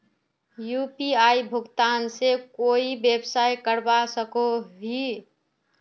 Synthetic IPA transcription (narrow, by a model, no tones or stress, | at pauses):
jupiaibʱʊɡt̪aːnsekoːibebsajkəɾbasəkobʱi